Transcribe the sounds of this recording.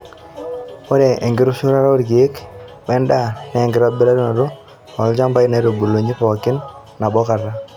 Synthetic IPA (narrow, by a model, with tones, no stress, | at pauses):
o˦ɾɛ˨ʔe˨ŋɡɪ˦ɾu˦ʃu˦ɾa˦ɾa˦o˦ɾɡe˦k | wɛ˦nda˦nɛː˨ŋɡɪ˦ɾa˦bɪ˦ɾa˦ɾno˨ɾo˦ | a˨ld͡ʒa˦mba˦i˦na˨˦ɾo˨bu˨lo˨ɲi˦pɔ˨kɪ˦nː | a˨bɔ˦ka˨ɾa˦